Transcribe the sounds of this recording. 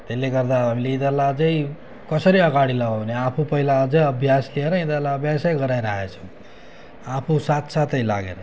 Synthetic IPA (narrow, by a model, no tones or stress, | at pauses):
t̪elːeɡʌrd̪aɦamileid̪ʌlad͡zʌj | kʌsʌɾiʌɡaɽilaɡoʌneapʰupʌɦilaʌd͡zʌjʌbʱjaslieɾʌid̪ʌrlaʌbʱjasajɡʌɾajɾaɦet͡sʰʌw̃ | apʰusat̪sat̪ʌjlaɡḛɾʌ